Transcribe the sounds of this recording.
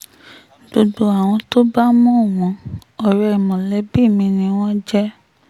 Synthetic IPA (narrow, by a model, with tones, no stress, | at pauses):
do˧do˨a˨w̃ɔ̃˧to˦ba˦mũ˦˨w̃ɔ̃˧˨ɔ˨ɾɛ˨˧˨mɔ̃˨lɛ˨˦bi˦˨mĩ˧nĩ˧w̃ɔ̃˦d͡ʒɛ˦